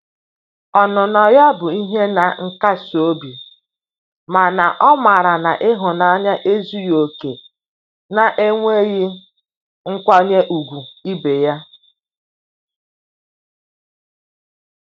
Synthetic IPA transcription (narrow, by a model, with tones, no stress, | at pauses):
ɔ˨nʊ˨nɔ˨ja˦bʊ˨i˦ɦe˦na˨ŋ̩˦ka˦so˦bi˨ | ma˨na˨ʔɔ˦ma˨ɾa˨na˨ʔɪ˦ɦʊ˨na˦ɲa˦ʔe˦zu˦jo˨ke˨ | na˨ʔe˦ŋʷe˦ɣɪ˦ | ŋ̩˦kʷa˦ɲe˦ʔu˨ɡʷu˨i˦be˨ja˦